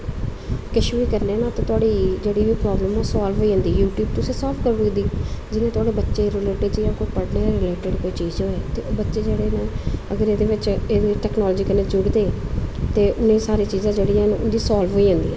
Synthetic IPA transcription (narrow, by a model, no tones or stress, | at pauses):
kɪʃʋiːkəɾneːnãːt̪ãːt̪ʊaːɽiːd͡ʒeːɽiːʋiːpɾaːbləmoːsaːlʋɦoːiːãːnd̪iːjuːʈjuːb̚t̪ʊsẽːsaːlfkəɾʋɡd̪iːd͡ʒɪnẽːt̪ʊaːɽeːbətːʃeːɾɪleːʈɪɖt͡ʃːjãːkoːpəɽnẽːɾɪleːʈɪɖkoːiːt͡ʃiːzɦoːeːt̪eːbətːʃeːd͡ʒeːɽeːneːəɡəɾeːd̪eːʋɪt͡ʃeːdeːʈɛːknɔːlːd͡ʒiːkəɾnẽːd͡ʒʊɽd̪eːt̪eːʔʊnẽːsaːɾiːt͡ʃiːzãːd͡ʒeːɽiːɛ̃ːnʊ̰nd̪iːsaːlʋoːiːãːnd̪ḭːɦɛ̃